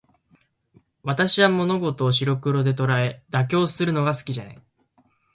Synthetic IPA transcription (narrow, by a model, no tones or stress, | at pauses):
βat̪aɕiβamo̞no̞ɡo̞t̪o̞ːɕ̬iɾo̞kɯ̟ɾo̞d̪e̞t̪o̞ɾae̞d̪ak̬ʲo̞ːsɨɾɯ̟no̞ɡasɨ̥kʲiʑana̰i